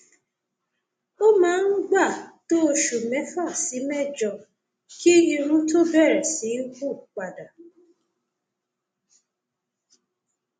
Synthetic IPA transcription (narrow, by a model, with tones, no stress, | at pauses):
o˦mã˦ŋ̩˦ɡ͡ba˦˨to˦o˧ʃu˨mɛ˨˦fa˦˨si˨˦mɛ˦˨d͡ʒɔ˨ | ki˦e˦ɲĩ˧ɾũ˦to˦bɛ˦˨ɾɛ˨si˨˦ɡʷu˦˨k͡pa˨da˨